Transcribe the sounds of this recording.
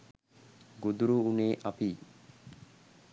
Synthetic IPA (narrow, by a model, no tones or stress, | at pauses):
ɡud̪uɾuuneːʔapiː